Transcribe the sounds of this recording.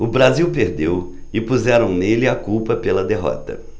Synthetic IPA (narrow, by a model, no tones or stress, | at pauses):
ʊbɾaziwpeɾd̪ew | ɪpuzɛɾɐ̃w̃nelɪakuwpɐpelɐd̪eɦɔ̰t̪ɐ̰